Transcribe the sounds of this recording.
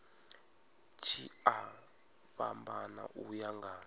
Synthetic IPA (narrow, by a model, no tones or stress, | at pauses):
t͡ʃʰia | βambana̰ʔujaŋɡa